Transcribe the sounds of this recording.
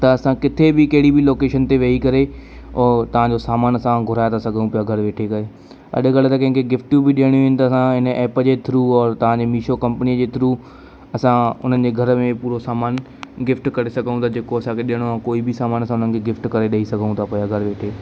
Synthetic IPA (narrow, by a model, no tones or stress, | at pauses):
t̪ɐɐsãkɪt̪ʰebɪkɐɦɪɽibʱɪloːkeːʃənt̪eʋɐikɐɾeɔːɾt̪ɐʋ̤ãɲd͡ʑosaːmaːnɐsãɡʱʊɾaːjt̪asɐɡʱũpijaɡʱɐɾʋeːʈʰekɐeː | ɐ̰ɗɡɐɭt̪ɐkɐ̃ɦɪ̃ŋkʰeɡɪfʈjũbʱɪɗijəɽ̃ijũʋɪnɪ̆t̪ɐːsãɦɪnəʔɛːpəd͡ʑeːt̪ʰɾuːɔːɾt̪ɐʋ̤ãd͡ʑeːmiːʃokɐ̃mpənijəd͡ʑeːt̪ʰɾu | ɐsãʊn̤ənɪ̆d͡ʑeːɡʱɐɾəmẽpuːɾosaːmaːn | ɡɪfʈkɐɾesɐɡʱəũt̪ʰad͡ʑeːkoɐsãkʰeɗijəɽ̃oãkoːibʱɪsaːmaːnsãʊn̤ənɪ̆kʰeɡɪfʈkɐɾeɗɐɦisɐɡʱəũt̪ʰapɐjaɡʱɐɾʋeːʈʰeː